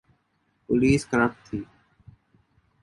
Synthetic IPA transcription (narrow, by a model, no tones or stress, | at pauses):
pʊliːskəɾaːpt̪ʰiː